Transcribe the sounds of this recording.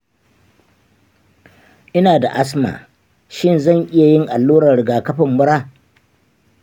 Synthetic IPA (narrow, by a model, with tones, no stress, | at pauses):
ʔɪ˦naː˨da̰˨ʔa˦sma̰ː˨ | ʃɪ˦˨nzɐ˦˨ŋʔɪ˦ja˨jɪ˦ŋʔa˨lːuː˦ɽɐ˨ɾɪ˨ɡaː˨kɐ˦ɸɐ˨mːʊ˦ɽaː˦˨